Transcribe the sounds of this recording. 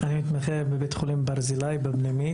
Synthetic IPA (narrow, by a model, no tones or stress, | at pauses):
animit̪maχebebet̪χolimbaʁzilajbabnimi